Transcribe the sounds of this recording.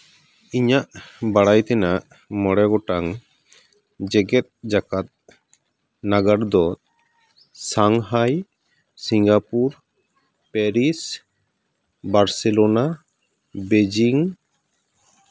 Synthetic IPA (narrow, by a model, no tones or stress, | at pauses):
iɲaʔbaɽajt̪ɛnaʔ | mɔɽɛɡɔʈaŋ | d͡ʒɛɡɛt̪̚d͡ʒakat̪̚ | naɡaɾd̪ɔt̪ | saŋɦaj | siŋɡapuɾ | pɛɾis | baɾsɛlɔna | bed͡ʒiŋ